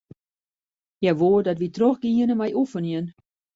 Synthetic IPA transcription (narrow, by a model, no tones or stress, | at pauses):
jɛʋoːədɔtʋitroxɡiənəmajʔufəniən